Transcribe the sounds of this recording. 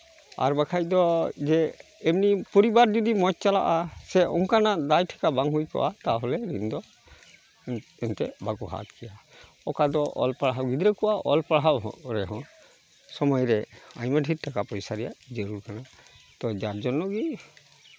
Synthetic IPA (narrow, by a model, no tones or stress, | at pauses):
a̰ɾbakʰajd̪ɔd͡ʒɛːmnipɔɾibaɾd͡ʒud̪imɔt͡ʃ̚t͡ʃala̰ʔasɛɔŋkanaʔd̪ajʈʰɛ̥kabaŋɦujka̰ʔat̪aɦɔlɛɾind̪ɔ | ɛnt̪ɛbaɡɔɦa̰t̪kʰɛja | ɔkad̪ɔʔɔ̰lpaɽɦawɡid̪ɾɛkɔwaʔɔlpaɽɦawɦɔ̰ɾɛɦɔ̃ | sɔmɔjɾɛajmaʈiɾ̚takapɔjsaɾɛja̰d͡ʒeɾuɾkana | t̪ɔd͡ʒaɾd͡ʒɔnːɔɡi